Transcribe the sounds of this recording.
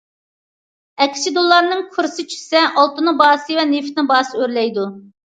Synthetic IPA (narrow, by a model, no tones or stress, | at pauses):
ɛkʲʰːɪ̥t͡ʃʰid̪olˠːɑɾnɨŋqʰʊɾsɨt͡ʃʰy̥sɛʔɑlˠt̪unɨbɑːsɨvɛneft̪nɪbɑːsɨøɾlɛjd̪u